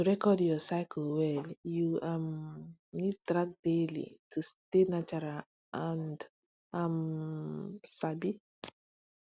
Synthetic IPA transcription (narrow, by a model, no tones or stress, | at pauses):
tuɾɛkɔdjɔsaɪkʰlwɛljuamnitɾak̚delḭtʰustenat͡ʃaɾal | ãnd | am | sabi